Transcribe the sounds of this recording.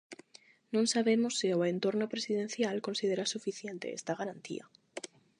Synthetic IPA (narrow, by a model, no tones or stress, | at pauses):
nõnsaβemosːioent̪o̞ɾnopɾesið̞e̞n̟θjalko̞nsið̞e̞ɾasufiθje̞nt̪eest̪aɣaɾant̪ḭa̰